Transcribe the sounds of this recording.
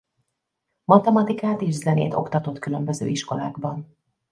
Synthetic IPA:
mɒt̪ɛmɒt̪ikaːt̪eːʒzɛnḛːt̪o̞̰kt̪ɒt̪o̞t̪kylømbø̞zø̰ːiʃko̞la̰ːɡbɒn

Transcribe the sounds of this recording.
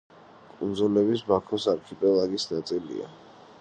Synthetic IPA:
kʼund̪zulɛbisbakʰɔsaɾkʰipʼɛlˠaɡisnat̪sʼilḭa̰

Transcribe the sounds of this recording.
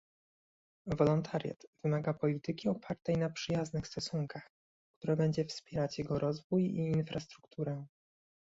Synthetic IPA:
vɔlɔnt̪ʰaɾʲja̰t̪v̥ɘmaɡapɔlʲit̪ɘkʲiɔpʰaɾt̪ɛjnapʂɘjaznɘxst̪ɔsuŋkax | kt̪uɾɛbɛɲd͡ʑɛfspʲjɛɾat͡ɕjɛɡɔɾɔzvujiːnfɾʔast̪ɾukt̪ʰuɾɛ

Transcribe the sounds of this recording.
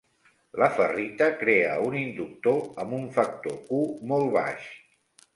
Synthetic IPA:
ləfərit̪əkɾeəunind̪uk̚t̪oəmbuɱfək̚t̪okumolˠβa̰ʃ

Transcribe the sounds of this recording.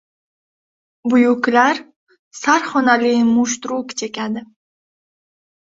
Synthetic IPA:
bʊjuklaɾ | saɾχonalimuʃt̪ɾukt͡ʃʰekʲad̪ɪ

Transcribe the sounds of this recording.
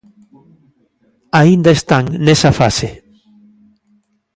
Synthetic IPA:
aind̪aest̪aŋnesafase

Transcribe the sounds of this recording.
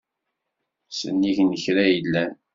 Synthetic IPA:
sə̰nːiʝnəçɾæjəlːæ

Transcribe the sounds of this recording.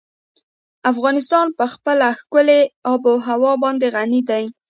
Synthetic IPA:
afɣɑnɪst̪ɑnpəxpəlaxkʊleɑboɦawɑbɑnd̪eɣanid̪aj

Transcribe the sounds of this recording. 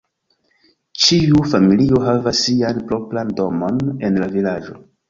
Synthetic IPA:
t͡ʃiufamilioɦavasːianplo̞plando̞mo̞ne̞nlavilad͡ʒo̞̰

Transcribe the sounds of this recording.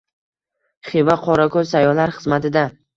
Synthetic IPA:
χivaqʰɒɾakʰoɾsajɒlaɾχɨzmat̪ɪd̪a

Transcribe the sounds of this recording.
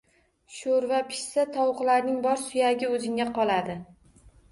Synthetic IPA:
ʃoɾvapʰɪ̥ʃsat̪ʰɒwʊqlaɾnɪŋbɒɾsʊjaɡʲɪɵzɪŋaqʰɒlˠad̪ɪ

